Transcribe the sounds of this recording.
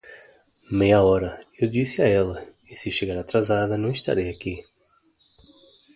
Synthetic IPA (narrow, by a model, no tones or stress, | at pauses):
mejɐɔɾɐewd͡ʒisɪaɛlɐ | isɪʃeɡaɾat̪ɾazad̪ɐnɐ̃w̃ist̪a̰ɾejaki